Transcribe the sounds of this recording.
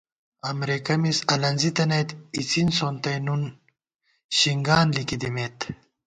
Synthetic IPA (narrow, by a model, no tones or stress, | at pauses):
ɐmɾekɐmisɐlɐnzit̪ɐnɐjt̪it͡sinsoːnt̪ɐjnun | ɕiŋɡaːnlikid̪imeːt̪